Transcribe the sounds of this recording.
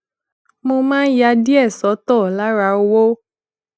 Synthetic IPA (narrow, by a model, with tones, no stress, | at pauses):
mo˧mãː˦n̩˦ja˧di˦ɛ˦˨sɔ˨˦tɔ˦˨la˦ɾa˧˦o˧wo˦